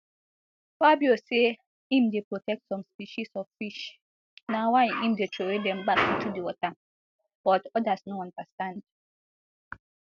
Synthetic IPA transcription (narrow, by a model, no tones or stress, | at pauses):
fabjose | ĩm̩depɹotɛk̚tsɔ̃mspiʃisɔvfiʃ | nawaʔĩm̩detʰowedɛm̩bakĩn̩tʰudiwɔta | b̥ɔtɔdasnoãndastãnd